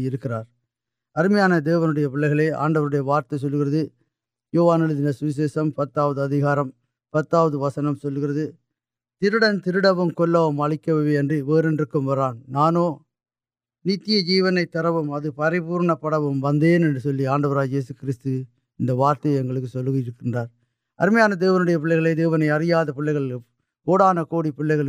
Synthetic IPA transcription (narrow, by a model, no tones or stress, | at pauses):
ɪɾɯkːɪraːɾ | ɐɾɯmɐjaːnɐd̪eːʋɐnɯɽɐjɐpɪɭːɐɪɣɐɭeːʔa̰ːɳɖɐʋɐɾɯɽɐjɐʋaːɾt̪ɐɪsɔlːɯɣɪrɐðɯ | joːʋaːnɐlɯðɪnɐsʊʋɪs̬eːsɐmpɐt̪ːaːʋɐðɯɐðɪɣaːɾɐm | pɐt̪ːaːʋɐðɯʋɐsɐnɐmsɔlːɯɣɪɾɐðɯ | t̪ɪɾɯɽɐnt̪ɪɾɯɽɐʋɯmkɔɭːɐʋɯmɐɭɪkːɐʋɐʋeɛndrɯʋeːɾɛndrɯkːɯmʋɐɾaːnnaːnoː | niːt̪ːɪjɐd͡ʒiːʋɐnɐɪt̪ːɐɾɐʋɯmɐðɯpɐɾɪbuːɾɳɐpːɐɽɐʋɯmʋɐnd̪eːnɛndrɯsɔlːiaːɳɖɐʋɐɾaːjeːsɯkɪɾɪst̪ɯ | ɪnd̪ɐʋaːɾt̪ɐɛŋɡɐɭɯkːɯsɔlːɯɣɪjɪɾɯkːɪndraːɾ | ɐ̰ɾɯmɐjaːnɐd̪eːʋɐnɯɽɐjɐpɪɭːɐɪɣɐɭeːd̪eːʋɐnɐɪɐrɪjaːðɐpɪɭːɐɪɣɐɭ | poːɽaːnɐkoːɽipɪɭːɐɪɣɐɭ